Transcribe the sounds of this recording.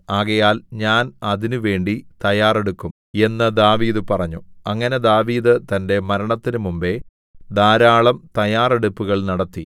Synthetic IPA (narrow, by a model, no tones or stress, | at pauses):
aːɣɐjaːlɲaːnɐðinuʋe̞ːɳɖit̪ɐjaːre̞ɽukːum | e̞nːɐd̪aːʋiːðɨpɐrɐɲːuɐŋːɐne̞d̪aːʋiːðɨt̪ɐnde̞mɐɾɐɳɐt̪ːinɨmumbe̞ | d̪aːɾaːɭɐmt̪ɐjaːre̞ɽupːuɣɐɭnɐɽɐt̪ːi